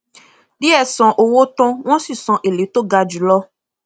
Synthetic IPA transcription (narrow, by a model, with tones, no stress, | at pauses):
di˦ɛ˦˨sɔ̃˨ʔo˨wo˦t̪ɔ̃˦w̃ɔ̃˦si˦˨sɔ̃˨ʔe˨le˨˦to˦ɡa˧d͡ʒu˨lɔ˦